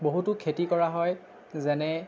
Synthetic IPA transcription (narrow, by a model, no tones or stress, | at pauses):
boɦutʊkʰetikɔɹaɦɔj | zɛnɛ